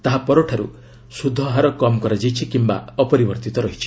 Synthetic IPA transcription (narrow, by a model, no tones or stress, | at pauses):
t̪aɦapɔɾoʈʰaɾṵ | sud̪ʱːɔɦaɾɔkɔmɔkɔɾad͡ʒajt͡ʃʰikimba̰ɔpɔɾibɔɾt̪it̪ɔɾɔɦit͡ʃʰi̥